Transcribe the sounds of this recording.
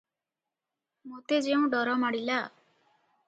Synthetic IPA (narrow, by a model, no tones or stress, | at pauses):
mot̪ed͡ʒeũɖɔɾɔmaɽila